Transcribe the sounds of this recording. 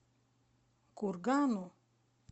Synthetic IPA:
kuɾɡanu

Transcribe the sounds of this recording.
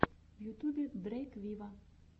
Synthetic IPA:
wjut̪ubʲid̪ɾɛkʋʲiʋɐ

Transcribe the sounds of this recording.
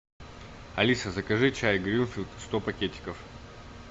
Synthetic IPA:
ɐlʲisəzɐkɐʐɨt͡ɕajɡɾʲinfʲilʲˠt̪st̪opɐkʲetʲɪ̥kəf

